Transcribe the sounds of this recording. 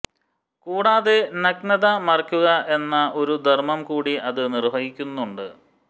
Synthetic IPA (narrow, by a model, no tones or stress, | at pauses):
kuːɽaːðenɐknɐðɐmɐrɐkʲːuɣɐʔe̞nːɐʔo̞ɾud̪ʱɐrmɐmkuːɽiʔɐðɨnirʋɐɦikʲːunːuɳɖɨ